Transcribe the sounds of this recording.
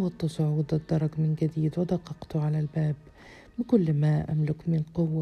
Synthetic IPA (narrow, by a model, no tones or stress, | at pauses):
wɑt̪ːɑsˤʊʕuːd̪ɪd̪ːɑɾˤɑɡmɪnɡad̪iːd̪wɪd̪ɑqːɑqt̪ʕalalbaːbː | ɪkʊlːmaʔa̰mlʊkmɪnqʊwːa